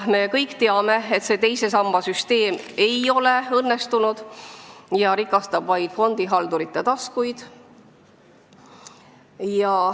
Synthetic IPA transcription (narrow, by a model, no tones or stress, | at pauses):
me̞kɤjkːt̪e̞ɑme̞et̪se̞t̪e̞jse̞sɑmːɑsyst̪e̞ːme̞jo̞le̞ɤnːe̞st̪unud̪̥ | jɑɾikːˑɑst̪ɑb̥vɑjd̪̥fo̞nd̪̥iɦɑld̪uɾit̪ːˑet̪ɑskujd̪̥ | jɑ